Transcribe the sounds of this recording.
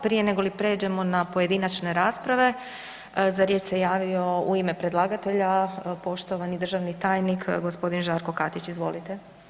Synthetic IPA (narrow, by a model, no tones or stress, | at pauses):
pɾijene̞ɡo̞lipɾe̞ːd͡ʑe̞mo̞napoje̞d̪inat͡ʃne̞ɾaːspɾaʋe̞ | zaɾjet͡ʃsejaːʋio̞uime̞pɾe̞d̪lˠaːɡat̪e̞ʎapo̞ʃt̪o̞ʋanid̪r̩ʒaʋnit̪aːjnikɡo̞spo̞d̪inʒaɾko̞kat̪it͡ɕizʋo̞lit̪e̞